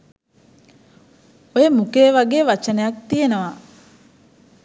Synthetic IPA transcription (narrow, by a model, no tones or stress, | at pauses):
ojemukeːʋaɡeːʋat͡ʃənəjak̚t̪ijenəʋa